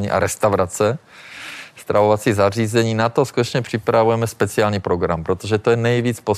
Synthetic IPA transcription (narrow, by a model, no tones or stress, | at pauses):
ɲḭʔa̰ɾɛst̪awɾat͡sɛ | st̪ɾʔavovat͡siːzariːzɛɲiːnat̪oskut̪ɛt͡ʃɲɛpr̝̥ɪpɾavujɛmɛspɛt͡sɪaːlɲiːpɾoɡɾampɾot̪oʒɛt̪ojɛnɛjviːt͡spo